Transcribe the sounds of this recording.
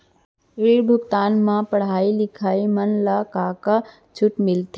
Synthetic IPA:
ɪɭibʱʊɡt̪aːnmãpəɽ̤aːilɪkʰaːimənlakaːka | t͡ʃʰʊʈmɪlt̪ʰe

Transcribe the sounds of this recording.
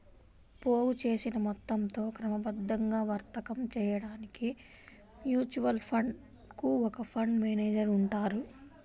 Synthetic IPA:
poːwut͡ʃe̞ːsinɐmɔt̪ːɐmt̪o̞ːkɾɐmɐbɐd̪ːɐŋɡaːʋɐɾt̪ɐkɐmt͡ʃɛːjɐɽaːniki | mjuːt͡ʃuʋɐlpʰɐɳɖ | kuɔkɐpʰɐɳɖmeːneːd͡ʒɐɾuɳʈaːɾu

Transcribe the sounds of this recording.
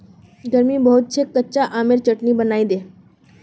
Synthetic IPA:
ɡəɾmibɐɦʊt̪̚t͡ʃʰekːətːt͡ʃaʔaːmeɾt͡ʃəʈnibənaːid̪eː

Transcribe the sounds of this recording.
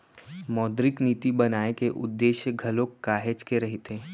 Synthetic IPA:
mɔːd̪ɾɪkniːt̪ibɐnaːekeʔʊ̰d̪ːeːʃjəɡʱɐlõkːaːɦet͡ʃkeɾɐɦɪt̪ɦẽː

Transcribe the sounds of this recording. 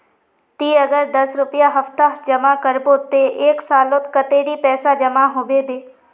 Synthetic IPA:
t̪iːəɡəɾd̪əsɾʊpɪjaɦəft̪ad͡ʒəmakəɾboːt̪eʔeːksaːlot̪kət̪eːɾiːpɛːsad͡ʒəmaɦoːʋeːbeː

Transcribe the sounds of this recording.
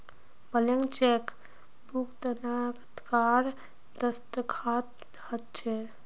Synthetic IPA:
bəleŋɡt͡ʃek | bukd̪ənakət̪kaɾ | d̪əst̪əkʰat̪ | d̪ | ət̪t͡ʃʰɛ

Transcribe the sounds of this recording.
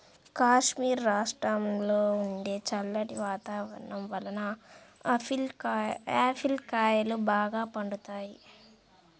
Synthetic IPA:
kaːʂmiːɾːaːʂʈɾɐmloːuɳɖe̞ːt͡ʃɐlːɐʈiʋaːt̪aːʋɐɾɐnɐmʋɐlɐnɐ | l | aːpʰilkaːjɐlubaːɡaːpɐɳɖut̪aːji

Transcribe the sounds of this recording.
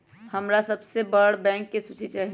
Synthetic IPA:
həmɾasɐbsebəɽbɛ̃ːŋkːesut͡ʃʰit͡ʃaːɦi

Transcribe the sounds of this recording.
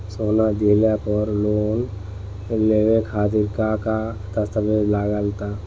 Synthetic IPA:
soːnad͡ʒelapɔɾloːn | leːʋekʰaːt̪̬ɪɾkakat̪əst̪əbeːd͡ʒlaːɡalt̪aː

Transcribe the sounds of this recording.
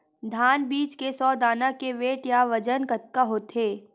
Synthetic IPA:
d̪ʱaːnbiːt͡ʃkesɔːd̪aːnakeʋeːʈjaʋɐd͡ʒənkət̪̚kaɦoːt̪ʰeː

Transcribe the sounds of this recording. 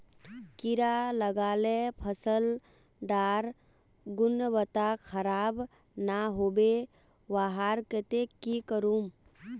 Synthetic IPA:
kiɾaləɡaːlepʰəsəl | ɖaːɾ | ɡʊnʋət̪akʰəɾaːb | naɦoːbe | ʋaɦaːɾkət̪ekikəɾum

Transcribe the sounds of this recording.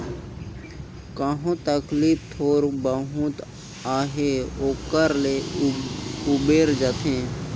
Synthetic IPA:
kəɦõt̪əkliːp̚t̪ʰoːɾbəɦʊ̃t̪ | aːɦeoːkəɾle | ʊbeːɾd͡ʒət̪ɦẽː

